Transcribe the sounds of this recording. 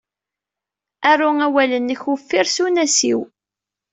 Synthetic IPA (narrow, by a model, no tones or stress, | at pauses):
ærʊæwælənːəçufːɪɾsunæsḭw